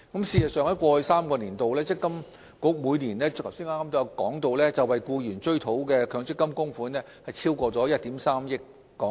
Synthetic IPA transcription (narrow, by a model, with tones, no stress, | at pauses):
kɐ˨˥msiː˨˧jɐ˨t̚sœː˨˧ŋɐ˥jkʷɔː˧hɵ˧jsaː˥mkɔː˧niː˨˩nt̪o˨wlɛː˥t͡sɪ˥kːɐ˥m | kʊ˨˥k̚muː˨˧jniː˨˩nɛː˥ɐ˨˩wsiː˥ŋaː˥kaː˥mt̪ːjɐ˨˧wkɔ̰ː˨˥ŋt̪o˨˧wlɛː˥t͡sɐ˨wɐ˨jkuː˧jyː˨˩nt͡ʃɵ˥ɥt̪ʰo˨˥wkɛː˧kʰœː˨˧ŋt͡sɪ˥kːɐ˥mkʊ˥ŋfuː˨˥nɛː˥hɐ˨jt͡sʰiː˥wkʷɔː˧t͡sɔː˨˥jɐ˥t̚t̪iː˨˥msaː˥mjɪ˥k̚ː | ɔː˨˦˥